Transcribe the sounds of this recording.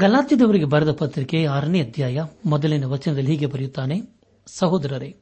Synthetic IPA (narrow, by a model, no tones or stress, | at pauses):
ɡɐlaːt̪id̪ɐʋɐɾɯɣɯbɐɾɐðɐpɐt̪ːɾɪkːeaːɾɐniɐd̪ʱjaːjɐmɔd̪ɐlɪnɐʋɐt͡ʃːɐnɐd̪ɐlɦiɡ̬epɐɾɪjut̪ːaːne | sɐɦoːd̪ɐɾɐɾeː